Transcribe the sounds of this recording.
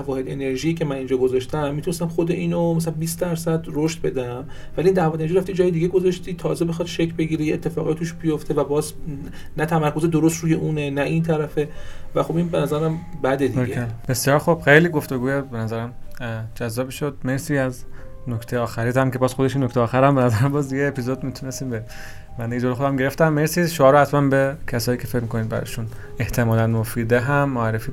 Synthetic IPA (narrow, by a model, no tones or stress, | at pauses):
ævɒːhe̞d̪e̞ne̞ɾʒiiːcʰe̞mænind͡ʒɒːɡozɒʃt̪æmːit̪ʰunest̪æmxod̪eʔiːnomæs̬ælæbiːsd̪æɾsæd̪roʃt̪̚be̞d̪æm | vælind̪ævɒd̪eneʒiɾæft̪id͡ʒɒːjed̪iɡeɡozɒʃt̪iːt̪ʰɒːzebe̞xɒd̪̥ʃecʰbe̞ɟiːɾejeet̪ʰːe̞fɒːɣɒjt̪uːʃbijo̞ft̪ʰe̞væbɒːz | næt̪ʰæmæɾko̞zed̪oɾost̪ɾuːjeʔuːnenæʔint̪ʰæɾæfe̞væxo̞binbe̞næzæɾæmbæd̪ed̪ioeæb̥esjɒːɾxob̥xejliːɡo̞ft̪o̞ɡuːjebenæzæɾæmd͡ʒæzːɒːbiʃod̪̚meɾsiːæznokʰt̪ʰejɒːxæɾiːt̪æmke̞bɒːz̥xod̪e̞ʃinːokʰt̪eɒːxæɾæmbenæzæɾæmbɒːzjeːpʰizod̪miːt̪ʰune̞st̪iːmbe | bænd̪ejed͡ʒoːɾexod̪æmɟe̞ɾeft̪æmːeɾsiʃoɒːɾohæt̪mænbecʰæsɒːjiːkcʰe̞fecmikʰo̞niːd̪̚bæ̰ɾɒ̰ʃun | e̞ht̪ʰemɒːlænmofiːd̪eɦæmːoæɾːefiː